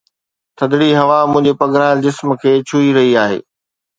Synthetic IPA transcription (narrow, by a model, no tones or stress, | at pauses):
t̪ʰɐd̪ɽiɦɐʋamʊ̃ɦɪ̃ɲd͡ʑepɐɡɾaːɪld͡ʑɪsmkʰeːt͡ɕʰuiɾɐɦiaːɦḛː